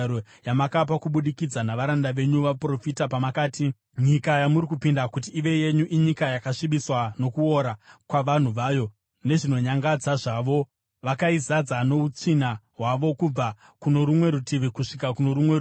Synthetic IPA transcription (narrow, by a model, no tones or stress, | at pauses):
ɾojamakap̬akuɓuɗikid͡zanaʋaɾandaʋe̞ɲuʋapro̞fitapamakaːti | ɲikajamuɾikupindakut̬iːʋe̞je̞ɲuʔiɲikajakaʂiɓiswano̞kuo̞ɾakwaʋan̤uʋaːjo̞ | ne̞ʐino̞ɲaŋɡad͡zaʐaʋo̞ | ʋakaizad͡zano̞ut͡sinaɦwaʋo̞kub͡va | kuno̞ɾumwe̞ɾutiʋikuʂikakuno̞ɾumwe